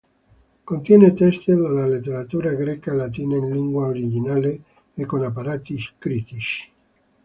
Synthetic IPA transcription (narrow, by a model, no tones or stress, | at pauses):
kont̪jɛːnet̪ɛst̪idalalet̪ːeɾat̪uːɾaɡɾɛkalat̪̬iːnainliŋɡwaoɾid͡ʒinaːleː | kːonapːaɾaːt̪iskɾit̪it͡ʃi̥